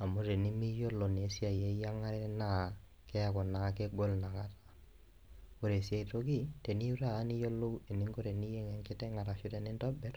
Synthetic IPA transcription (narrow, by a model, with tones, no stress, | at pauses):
a˨mʊ˦ɾe˨nɪ˦mi˦jo˦lo˨ne˨˦si˦a˨je˦ja˦ŋa˦ɾɛ˦na˦˨ | kɛ˦a˦kɔ˨na˨kɪ˦ɡɔ˦lna˨ŋa˦tḁ˨ | ko˨ɾe˨sja˨i˨to˦ki˦te˨ni˦u˦ɾaː˦˨˦ni˦jo˦lo˦we˨nɪ˦ŋɡo˦ɾe˨ni˦je˦ŋɛ˨ŋkɪ˦tɛ˦ŋa˨ɾa˨ʃʊ˦tɛ˨nɪ˦ntɔ˦bɛ˦r